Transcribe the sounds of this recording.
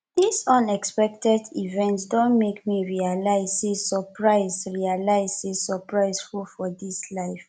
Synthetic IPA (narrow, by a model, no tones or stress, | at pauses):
disɔ̃nɛkspɛk̚tɛdivɛ̃ntsdõnmekmiɹialaɪzsesɔpʰɹaɪzɹialaɪzisɔpɹaɪzfulfɔdislaɪf